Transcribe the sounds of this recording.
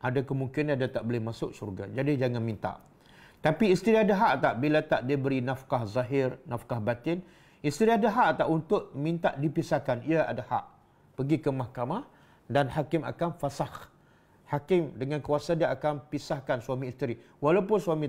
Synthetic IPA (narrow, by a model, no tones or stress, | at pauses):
ʔadakəmuŋkɪnadat̪aʔbolɪhmasʊk̚surɡa̰d͡ʒadid͡ʒaŋanmĩnt̪a̰ʔ | t̪apiːst̪əɾiadaɦaʔt̪aʔbilat̪aʔdiabəɾinafkahzaɦɪrnafkahbat̪ɪn | ist̪əɾiadaɦaʔt̪aʔunt̪ʊʔ̚mĩnt̪aʔdipisahkaniaa̰daha̰ʔ | pəɡikəmahkamah | danhakɪma̰kanfasah | hakɪmdəŋankuasadiaʔakanpisahkansuamĩːst̪əɾi | walawpʊnsuwamĩ